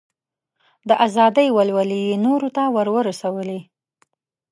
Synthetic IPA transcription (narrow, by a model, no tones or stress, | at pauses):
d̪əʔazɑd̪əjwalwalijenoɾot̪awəɾwəɾasawəli